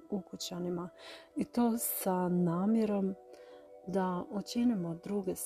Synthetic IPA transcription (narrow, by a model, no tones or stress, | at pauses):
ukut͡ɕanimait̪o̞ːsanaːmjeɾo̞m | d̪aot͡ɕenimo̞d̪ɾuɡe̞s